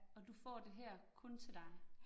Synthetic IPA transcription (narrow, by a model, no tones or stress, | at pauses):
ɒ̽d̥ufɒ̰ːd̥e̝ɦɛɐ̰kʰɔ̽nt͡sʰe̝d̥ɑ̈ɪ